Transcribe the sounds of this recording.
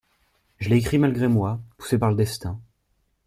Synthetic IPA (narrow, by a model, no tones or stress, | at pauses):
ʒəlɛːkχimalɡʁemwapu̥sepaʁləd̪ɛst̪ɛ̃